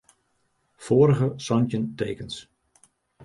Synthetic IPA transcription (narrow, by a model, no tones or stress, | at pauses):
foːɾəɣəsɔncəntejkəns